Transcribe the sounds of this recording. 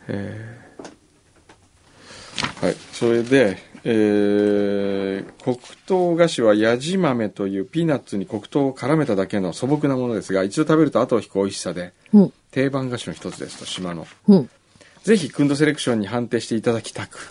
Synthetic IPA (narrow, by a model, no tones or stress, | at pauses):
eː | ha̰ḭso̞ɾe̞d̪e̞eː | kʰo̞kɯ̟̥t̪o̞ːɡaɕiβ̞ajaʑimame̞t̪o̞jɯ̟ːpʲinat͡sːɨɲ̟iko̞kɯ̟̥t̪o̞ːokʰaɾame̞t̪ad̪ake̞no̞so̞bo̞k̬ɯ̟namo̞nod̪e̞sɨɡait͡ɕid̪o̞t̪abe̞ɾɯ̟t̪o̞at̪o̞ːçi̥kɯoiɕi̥sad̪e̞ | t̪e̞ːbãŋɡaɕinoçi̥t̪o̞t͡sɨd̪e̞sɨ̥t̪o̞ɕimano̞̰ | d͡ze̞çikɯ̃nd̪o̞s̬e̞ɾe̞kɯ̟̥ɕõ̞ɲ̟ːiɦãnt̪e̞ːɕi̥t̪e̞it̪ad̪akʲi̥t̪akɯ̟̥